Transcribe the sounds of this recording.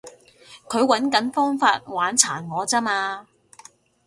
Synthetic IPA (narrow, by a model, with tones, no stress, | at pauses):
kʰɵ˨˧ɥwɐ˨˥nkɐ˨˥nfɔː˥ŋfaː˧t̚waː˨˥nt͡sʰa̰ː˨˩nŋɔː˨˧t͡sɐ˥maː˧